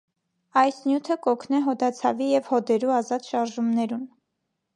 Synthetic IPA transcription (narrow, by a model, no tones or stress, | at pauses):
ɑjsnjut̪ʰəkɔkʰnɛɦɔd̪ɑt͡sʰɑ̰vijɛvhɔd̪ɛɾuɑzɑt̪ʃɑɾʒumnɛɾun